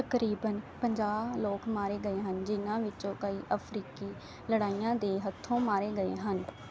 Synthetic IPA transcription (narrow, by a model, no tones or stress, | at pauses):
t̪əkɾiːbənpəɲd͡ʒaːbloːkmaːɾeːɡəeːɦənd͡ʒɪnãːʋɪt͡ʃõːkəiːʔəpʰɾiːkiː | ləɽaːijãːd̪eːɦət̪ʰːõːmaːɾeːɡəḛːɦən